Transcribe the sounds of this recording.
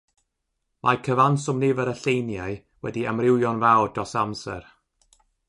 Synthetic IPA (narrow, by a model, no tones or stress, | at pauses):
mʔakʰəvansʊmnɪvəɾəɬejnjaɨ | wɛdiamrɪwjɔnvawdɔsamsɛ̰r